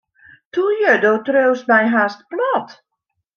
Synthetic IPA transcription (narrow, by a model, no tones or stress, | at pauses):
tujədowtrøwsmɛjɦast̚plɔt